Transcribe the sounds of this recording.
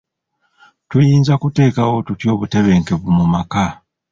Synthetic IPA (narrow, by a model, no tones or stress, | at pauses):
twejiːnzakute̞ːkawo̞tutjo̞ːβute̞βe̞ːŋke̞βumumaka